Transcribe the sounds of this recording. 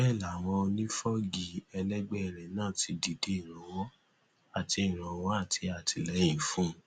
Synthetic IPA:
ɛ˦˨la˨w̃ɔ̃˧o˧nĩ˦fɔ˦ɡi˨ɛ˧lɛ˦ɡ͡bɛ˦ɛ˧˨ɾɛ˨nãː˦˨ti˧di˨de˨˦i˨ɾ̃ã˨w̃ɔ̃˨˦ | a˦˨ti˧i˨ɾ̃ã˨w̃ɔ̃˨˦a˦˨tʰi˧a˨tʰi˧˨lɛ˨˦jĩ˦˨fũ˦

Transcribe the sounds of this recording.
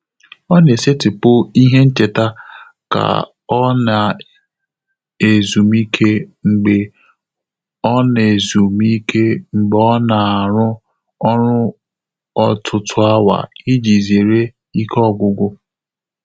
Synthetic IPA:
ɔ˦ne˨se˦tɪ˨pʊ˦i˦ɦe˦n̩˦t͡ʃe˨ta˦ | ka̰˨ | ɔ˦na˨ | e˨zu˨mi˦kʰe˦ŋ͡m̩˨ɡ͡be˨ | ɔ˦ne˨zu˨mi˦kʰe˦ŋ͡m̩˨ɡ͡bɔ˦na˨a˨ɾʊ˦ | ɔ˦ɾʊ˦ | ɔ˦tʰʊ˨tʰʊ˨a˦wa̰˨i˦d͡ʒi˨ze˨ɾe˦ | i˦kʰɔ˦˨ɡʷʊ˨ɡʷʊ˦

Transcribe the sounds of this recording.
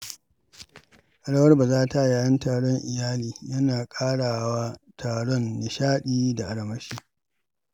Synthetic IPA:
ʔa˨ɽɐ˦wɐ˦rba˨zaː˦ta˦˨jaː˨jɐ˦ntaː˨ɽɔ˦ŋʔɪ˨jaː˦liː˨jɐ˦naː˨kʼaː˦ɽaː˨wa˦tʰaː˨ɽɔ˦nːɪ˨ʃaː˦ɗiː˦da˨ʔa˨ɽɐ˨mɐ˦ʃiː˦

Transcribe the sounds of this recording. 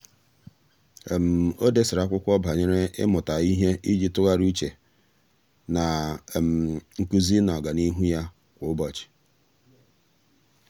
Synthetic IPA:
m̩˨o˦de˦sɪ˨ɾa˦kʷʊ˦kʷɔ˦ba˨ɲe˦ɾe˦ɪ̰˦mʊ˨ta˨i˦ɦe˦i˦d͡ʒi˦tʊ˦ɣa˦ɾu˦t͡ʃe˨ | na˨m̩˨ŋ̩˨ku˦zi˦nɔ˨ɡa˨ni˦ɦu˦ja˦ | kʷʊ˨ʊ˦bɔ˨t͡ʃɪ̥˨

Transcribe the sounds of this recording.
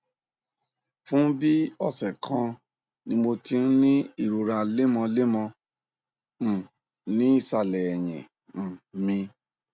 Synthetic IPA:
fũ˦bi˦ɔ˦˨sɛ˨kʰã˧ | nĩ˧mo˧ti˧n̩˦nĩ˦i˦˨ɾo˨ɾa˧le˦mɔ̃˧le˦mɔ̃˧ | m̩˨ | nĩ˦i˦˨sa˧˨lɛ˨ɛ˨j̃ɛ̰̃˨ | m̩˨mĩ˧

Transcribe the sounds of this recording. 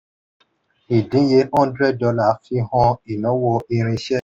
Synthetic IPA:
i˨dĩ˨˦je˧˦ɔ̃˦n˦dɾɛ˦d̚dɔ˧la˦˨˦fi˧˦hɔ̃˧i˨nɔ̃˨˦wo˧i˧ɾ̃ĩ˧ʃɛ˦

